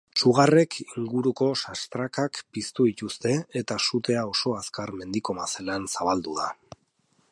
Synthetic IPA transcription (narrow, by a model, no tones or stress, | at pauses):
t͡ʃuɣare̞kʰiŋɡuɾuko̞sast̪ɾakakpist̪uðic̪ust̪e̞et̪asut̪e̞ao̞so̞askaɾme̞nd̪iko̞mase̞lansaβ̞ald̪uða